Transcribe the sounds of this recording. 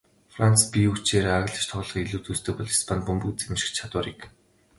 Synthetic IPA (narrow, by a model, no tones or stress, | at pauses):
frant͡spʲiut͡ɕeːɾeːaɣɮə̆t͡ɕt̪ʰɔʁɮɞ̆χiɮuːt͡s̪ust̪ɘ̆k̚pɔɮi̥spʰanpɵmbɵ̆kt͡semʃɪ̥̆kt͡ɕʰat̪wʊːɾik